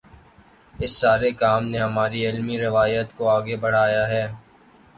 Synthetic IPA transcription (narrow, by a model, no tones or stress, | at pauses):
ɪsːaːɾekaːmneɦɐmaːɾiɪlmiɾɪʋaːjət̪koaːɡebɐɽ̤aːjaɦɛː